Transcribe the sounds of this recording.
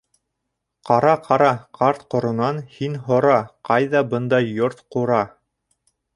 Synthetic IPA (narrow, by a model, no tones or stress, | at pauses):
qɑɾɑqʰɑɾɑqʰɑɾt̪qŏɾŏnɑnhinɦŏɾɑqɑjðɑbɤnd̪ɑjːoɾt̪quɾɑ